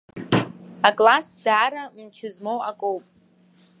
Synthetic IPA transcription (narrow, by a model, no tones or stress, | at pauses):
akʼlasdaːɾamt͡ʃʰɪzmowʔakʼowpʼ